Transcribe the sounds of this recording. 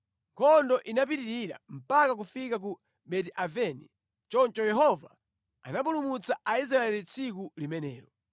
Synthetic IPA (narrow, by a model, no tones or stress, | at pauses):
ŋkʰɔndɔʔinap̬itiɾiɾa̰m̩pakak̬ufikak̬u | ɓɛtiʔavɛni | t͡ʃɔnt͡ʃɔjɛɦɔva | a̰nap̬ulumut͡saʔais̬ɾaɛlit͡sʰik̬ulimɛnɛ̰ːɾɔ